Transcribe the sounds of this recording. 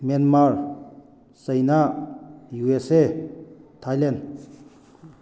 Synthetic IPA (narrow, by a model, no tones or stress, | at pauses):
manmaɹ | səjnaʔjuese | t̪ʰajlen